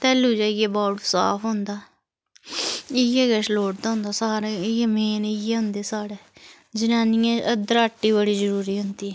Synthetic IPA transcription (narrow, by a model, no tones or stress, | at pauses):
t̪ɛːluːd͡ʒaːɪjɛːbɔːʈsa̰ːpʰɦʊ̃nd̪aː | ɪjeːɡəʃloːʈ̚d̪aːɦʊ̃nd̪aːsaːɾeːɪeːmeːnɪjeːɦʊnd̪eːsaːɽeː | d͡ʒɪnaːniːãːʔəd̪əɾaːʈːiːbəɽiːzəɾuːɾiːɦʊnd̪iː